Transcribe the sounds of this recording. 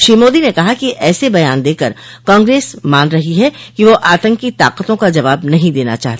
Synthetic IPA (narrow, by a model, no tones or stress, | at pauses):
ʃɾiːmoːd̪inekɐɦakiʔɛːsebɐjaːnd̪eːkəɾ | kãːŋɡɾeːsmaːnɾɐɦiɦɛkiʋoʔaːt̪ə̃ŋkit̪a̰ːqət̪õkad͡ʒɐʋaːbnɐɦĩd̪eːna̰t͡ʃa̰ːɦt̪ː